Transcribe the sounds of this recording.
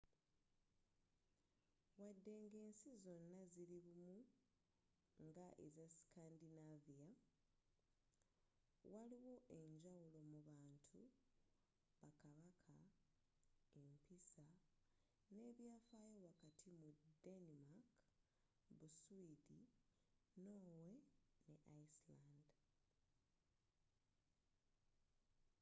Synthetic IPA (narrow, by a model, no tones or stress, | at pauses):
wadːe̞ŋɡe̞ːnsizo̞nːaziɾiβumu | ŋɡaʔḛzasi̥kaːndinavia | waliwo̞ʔe̞ɲɟawulo̞muβaːntʰu | βakaβakʰa | empisa | ne̞ːβjaːfaːjowakatʰimudenimak | busuidi | no̞ːwe̞ne̞ʔaislaːnd